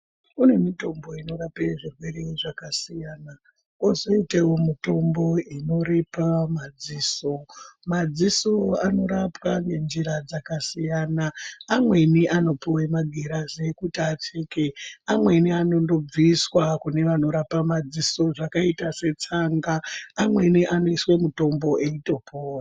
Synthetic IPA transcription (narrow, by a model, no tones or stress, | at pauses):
une̞mito̞mbo̞ino̞rapeʐirwe̞ɾeʐakasijaːna | kozo̞itewomito̞mbo̞ino̞ɾe̞pamad͡ziːso̞mad͡ziso̞ano̞ɾapwaŋɡe̞nd͡ʒiɾad͡zakasijanaːmwe̞niʔano̞piwemaɡʱeɾazekutiat͡ʃe̞keamwe̞niano̞ndo̞b͡viswakune̞ʋano̞ɾapamad͡ziso̞ʐakaitase̞t͡saŋɡaːmwe̞niʔano̞iswe̞muto̞mbo̞ʔe̞ito̞pʰoːra